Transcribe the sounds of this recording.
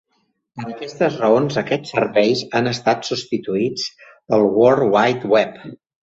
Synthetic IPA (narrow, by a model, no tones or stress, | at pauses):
pəɾəkɛst̪əzrəonzəkɛt͡sːəɾβɛjzanəst̪at̪sust̪it̪uid͡z | əlˠwɔɾwajt̪wɛp